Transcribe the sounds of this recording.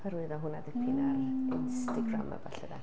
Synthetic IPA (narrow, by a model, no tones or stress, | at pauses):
pʰaɾuɨðɔɦʊnadɪpɪnarɪnstaɡra̰ma̰baɬəda